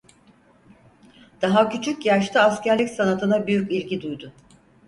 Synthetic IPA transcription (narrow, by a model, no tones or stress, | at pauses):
d̪̥aɦacʰyt͡ʃʰycjaʃt̪ʰaːscæɾlʲicʲsanat̪ʰɯnabyjycilʲɟid̪ujd̪ʊ